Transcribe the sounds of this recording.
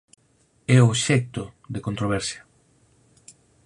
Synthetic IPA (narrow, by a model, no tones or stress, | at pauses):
ɛoʃɛk̚t̪oðekont̪ɾoβɛɾsja